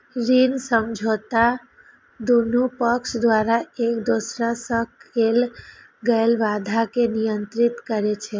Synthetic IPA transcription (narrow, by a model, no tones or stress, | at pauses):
ɾinsəmd͡ʒʱot̪a | d̪onupəksd̪ʋaɾaekd̪osɾasəkʰel | ɡəelʋad̪ʱakenijənt̪ɾit̪kəɾet͡ʃʰɛ